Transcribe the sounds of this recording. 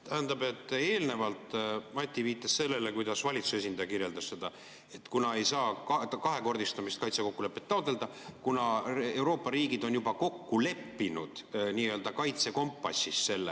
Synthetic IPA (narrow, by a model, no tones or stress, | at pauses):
t̪ʰæhænd̪ɑbe̞t̪ˑːe̞ːlne̞vɑlt̪mɑt̪ʲːˑiviːt̪ːˑɑsse̞lːe̞lekujd̪̥ɑsvɑlʲit̪su̥se̞sind̪ɑjɑkirje̞ld̪ɑsse̞d̪̥ɑ | e̞t̪kunɑe̞jsɑːɑkɑɦe̞ko̞rd̪ist̪ɑmist̪kɑjt̪seko̞kːule̞pːˑe̞t̪ːɑot̪ˑe̞ld̪ɑ | kunɑe̞wɾo̞ːpːɑɾiːɡid̪o̞njubɑko̞kːule̞pːinud̪̥niːø̞ld̪ɑkɑjt̪se̞ko̞mpːˑɑsːisse̞lːe